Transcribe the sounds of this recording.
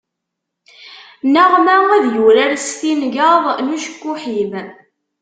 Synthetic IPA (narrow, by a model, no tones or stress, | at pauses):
næʁmæŋæðjuɾæɾsθinʝəðˤnuʃə̥kːuħim